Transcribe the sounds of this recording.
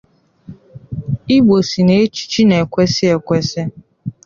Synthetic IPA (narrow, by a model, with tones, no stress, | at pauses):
i˦ɡ͡bo˨si˨ne˨˦t͡ʃi̥˦t͡ʃi˦ne˨kʷɛ˦sɪ˦ɛ˨kʷɛ˦sɛ˦